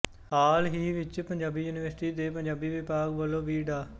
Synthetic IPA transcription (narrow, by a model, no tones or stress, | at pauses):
ɦaːlɦiːʋɪt͡ʃpəɲd͡ʒaːbiːjuːniːʋəɾsʈiːd̪eːpəɲd͡ʒaːbiːʋɪpaːɡʋəlõːʋiːɖaː